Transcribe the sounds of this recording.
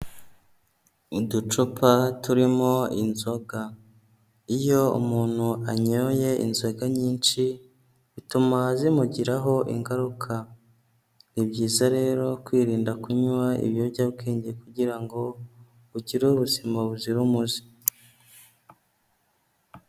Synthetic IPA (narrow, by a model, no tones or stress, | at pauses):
udut͡ʃupʰatuɾimo̞ḭnzo̞ɡa | ijo̞ṵmuːn̥huaɲoje̞ʔḭnzo̞ɡaɲiːnʃi | βitumazimuɟiɾaɦo̞ʔḭŋɡaɾukʰa | nibɟiːzaɾe̞ːɾo̞kwiːɾiːndakuɲwaḭβjo̞bɟabɡeːɲɟekuɟiɾaŋɡo̞ | uɟiɾuβuzimaβuziɾumuzi̥